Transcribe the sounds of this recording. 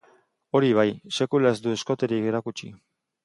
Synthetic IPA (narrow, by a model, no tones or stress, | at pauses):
o̞ɾiβ̞ajse̞kulaezd̪ue̞sko̞t̪eɾike̞ɾakut͡ʃḭ